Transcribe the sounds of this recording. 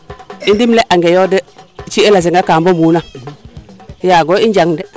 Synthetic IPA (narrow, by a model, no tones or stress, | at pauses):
indimleʔaŋɡejodɛt͡ʃielas̬iŋɡakaːmbomuna | jaɡoind͡ʒaŋdɛ